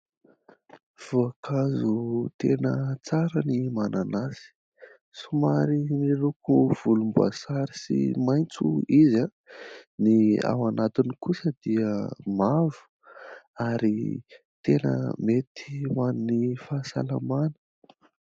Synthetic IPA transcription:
v̥uakʰazut̪enət͡saɾənimananasi̥ | sumaɾimieɾukuv̥ulumbua̰saɾisḭmajnt͡sṵiza | nia̰wanat̪inikusəd̪iəmavu̥ | aɾḭ | t̪enə̰met̪ʰi̥manunifasa̰la̰manə̥

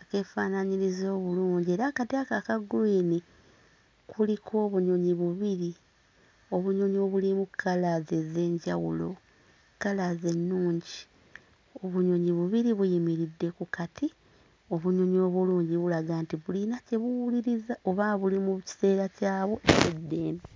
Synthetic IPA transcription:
ake̞fanaɲiɾizo̞ːβuluːɲɟie̞ːɾakatiakakaɡiːni | kulikʰo̞ːβuɲo̞ɲiβuβiɾi | o̞βuɲo̞ɲo̞βulimukʰːalazeze̞ːɲɟawṵlo̞̰ | kalaze̞nːuːɲɟi | o̞βuɲo̞ɲiβuβiɾiβujimiɾidːe̞kukati | o̞βuɲo̞ɲo̞ːβuluːɲɟiβulaɡaːntiβulinace̞βuwuliɾizaʔo̞βaːβulimuci̥se̞ːɾacaːβoʔeβedːeːna

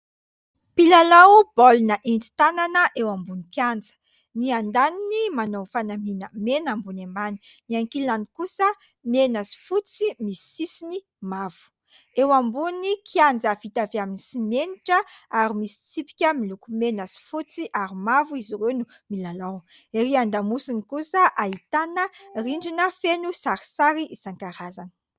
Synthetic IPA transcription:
pilalawbɔlunəʔend͡zi̥t̪ananəʔewambunikjand͡zə̥ | niand̪aninimanowfanaminəmenambunembani̥niaŋkilanikusə | menasi̥fut͡simisi̥sisini | mav̥u̥ | ewambunikʰiand͡zavit̪aveaminisimeniʈ͡ʂəaɾimisi̥t͡sipi̥kʲəmilukumenasi̥fut͡siʔaɾimavuiziɾewnumilalaweɾiand̪amusinikusəʔait̪anəriɳɖ͡ʐinəfenusaɾi̥saɾiʔisaŋkaɾazanə̥

